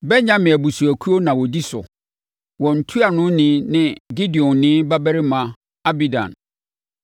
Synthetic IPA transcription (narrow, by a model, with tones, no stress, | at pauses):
bɛ˦ɲã˦mɪ̃˨æ˨bu˨su˨æ˨kʰu˦o˦nã˨wɔ˨di˦sʊ̰˨ | wɔ̃˨n̩˨tʰu˦a˨nʊ̃˦nɪ̃˦nɪ̃˦ɡi˦di˨ɔ̃˨nnɪ̃˦ba˦bæ˦ɾɪ˦mã˨ | a˦bi˦dã̰˨n